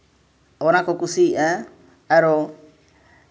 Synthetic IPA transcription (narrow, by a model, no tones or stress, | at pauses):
ɔnakɔkusiɛ | ɛɾɔ